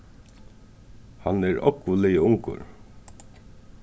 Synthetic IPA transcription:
hanɛɾɔ̰kːʊlejəʊŋkʊ̰ɾ

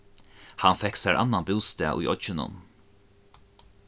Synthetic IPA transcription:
hanfɛksaɾʔa̰nːanbɪwst̪ɛːʔʊ̰jʔɔt͡ʃɪnʊ̰n

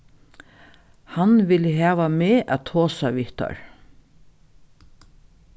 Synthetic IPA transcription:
hanʋɪləɦæːʋameːʔæ̰ːt̪ʰoːsaʋɪht̪a̰ɹ

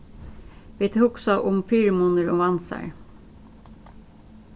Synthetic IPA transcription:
ʋiːt̪ʰuːksɑʔʊmfyːɾəmʊnəɾoːʋɑnsæ̰ɹ

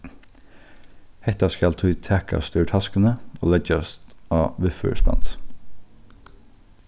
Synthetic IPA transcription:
hɛt̪ɑskɑlt̪ʰʉt̪ʰækʰɑ̰st̪ʉːʈʰɑskənəo̰ːlɛd͡ʒɑst̪ɑːʋɪfʉ̰ːspɑ̰nt̪

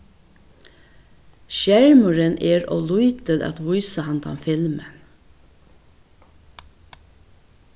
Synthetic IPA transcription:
ʃjæɹmʊɹənʔeːɹo̰ːluʏt̪əlɑ̰t̪ʋʊjsəhɑnt̪ʰɑ̰mfɪlmən

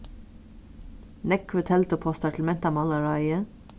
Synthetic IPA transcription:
nɛkʋət̪ʰɛlt̪əpʰɔst̪ɑʈʰl̩mɛnt̪ɑːmɑlɑɹɑɪə

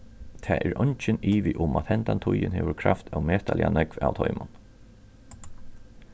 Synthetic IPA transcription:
t̪ʰɛːʔɛɹʔɔɲt͡ʃɪniːʋɪʔʊmat̪hɛnt̪ant̪ʰʊjɪnɦɛːʋʊɹkʰɾaft̪ʰawmɛːht̪alɪanɛkva̰wt̪ʰɔjmʊn

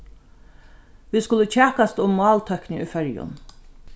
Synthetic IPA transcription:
ʋiːskʊlət͡ɕʰɛːkast̪ʊmːɑːlt̪ʰœhknɪŋʏjfœɹjʊ̰n

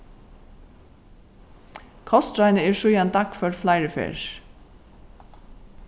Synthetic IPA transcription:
kʰɔst̪ɹɑɪnəɛːɹʃʉjɑnd̪ɑkfœɹflɑɪɹəfḛːɹ

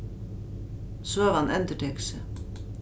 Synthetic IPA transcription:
soːʋɑnʔɛnt̪əʈʰɛːksə

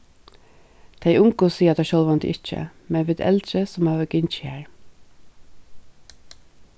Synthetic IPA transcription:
t̪ʰeɪʔʊŋkʊsiːət̪ʰæʃɔlʋɑnt̪ɪ̰ʔɪt͡ʃə̰mɛnʋɪːd̪ɛ̰lt̪ɾəsɔmhɑːʋəɡɪɲt͡ʃɪhæːɹ

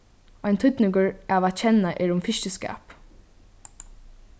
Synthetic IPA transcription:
ajnt̪ʰʏt̪nɪŋkəɹaːʋat͡ʃʰɛnːaʔɛːɹʊmfɪʃcəska̰ːp

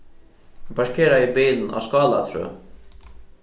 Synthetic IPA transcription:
bɑʃkʰeːɾaiːbiːln̩ʔɑ̰ːskɑːlat̪ʰɾø̰ː

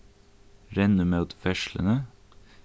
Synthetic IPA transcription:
ɾɛnʉmɑʉt̪fɛʃlə̰nə

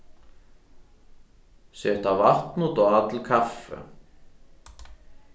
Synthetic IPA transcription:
sɛht̪avar̥t̪nʊt̪ɔɣat̪lkʰafːʏ̰

